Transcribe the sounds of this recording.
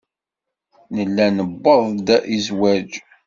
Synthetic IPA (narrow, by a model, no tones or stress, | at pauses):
nəlːænəbːəðˤd̪æʔizwæd͡ʒ